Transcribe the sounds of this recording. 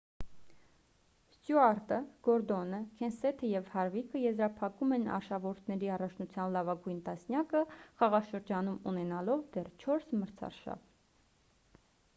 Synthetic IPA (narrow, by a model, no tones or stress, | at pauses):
st̪juɑɾt̪əɡ̥ɔɾd̪ɔnəkʰɛnsɛt̪ʰəjɛvhɑɾvikʰəjɛzɾɑpʰɑkumɛnɑ̰ɾʃɑvɔɾt̪ʰnɛɾiɑrɑt͡ʃʰnut͡sʰjɑnlɑvɑɡujnt̪ɑsnjɑkəχɑʁɑʃəɾd͡ʒɑnumunɛnɑlɔvd̪ɛrt͡ʃʰɔɾsməɾt͡sʰɑ̰rʃɑ̰v